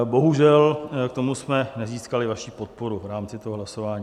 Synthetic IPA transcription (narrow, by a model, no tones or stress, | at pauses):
bo̞ɦuʒɛlkt̪o̞musmɛnɛziːskalɪvaʃiːpo̞t̪̚po̞ɾuvɾaːmt͡sɪt̪oɦoɦlaso̞vaːɲiː